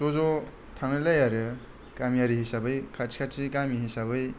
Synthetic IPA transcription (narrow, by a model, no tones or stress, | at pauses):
zɔzɔ | tʰaŋnɯlajaɾɯ | kamijaɾiɦisabɯjkʰasi̥kʰasikamihisaβɯj